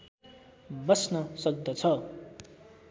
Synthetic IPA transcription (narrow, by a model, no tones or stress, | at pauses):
bʌsnʌsʌk̚d̪ʌt͡sʰʌ